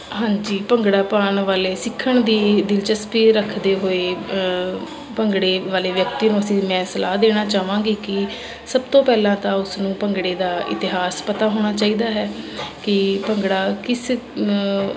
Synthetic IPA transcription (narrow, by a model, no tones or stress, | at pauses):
ɦãːɲd͡ʒiːpəŋɡɽaːpaːɳʋaːleːsɪkʰːəɳd̪iːd̪ɪlt͡ʃəspiːɾəkʰd̪eːɦoːeː | pəŋɡɽeːʋaːleːʋjək̚t̪iːnũːəsĩːmɛ̃ːsəlaːd̪eːɽ̃aːt͡ʃaːʋãːɡiːkɪ | səb̚t̪õːpɛːlãːt̪ãːʊsnũːpəŋɡɽeːd̪aːɪ̰t̪ɪɦaːspət̪aːɦoːɽ̃aːt͡ʃaːiːd̪aːɦɛːkɪpəŋɡɽaːkɪs